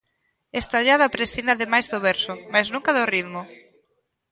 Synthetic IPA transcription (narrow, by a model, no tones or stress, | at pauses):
est̪aʎaðapɾesθind̪aðemajzðʊβɛɾsʊmajznũŋkaðʊriðmʊ